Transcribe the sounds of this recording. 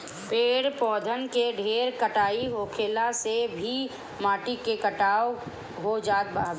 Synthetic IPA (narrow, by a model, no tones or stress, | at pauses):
peːɽpɔːd̪ʱənkeɖʱeːɾkəʈaːiɦoːkʰeːlasebʱi | maːʈikekəʈaːo | ɦod͡ʒaːt̪̚bab